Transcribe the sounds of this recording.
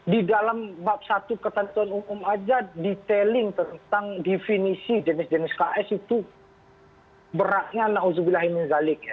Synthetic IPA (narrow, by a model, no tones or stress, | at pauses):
didalambap̚sat̪ukət̪ənt̪uanumʊmad͡ʒadit̪elɪŋt̪ənt̪aŋdefinisid͡ʒənɪsd͡ʒənɪskaʔɛsit̪u | bəɾaʔ̚ɲanaʔuzubilaɦimɪnzalɪk̚ja